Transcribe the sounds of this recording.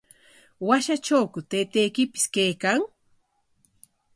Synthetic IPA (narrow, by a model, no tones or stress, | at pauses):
waʃat͡ʃawkʊt̪ejt̪ejkɪpɪ̥skejkaŋ